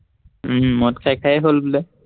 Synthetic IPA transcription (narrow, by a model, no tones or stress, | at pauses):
mɔtkʰajkʰajɛɦolbulɛ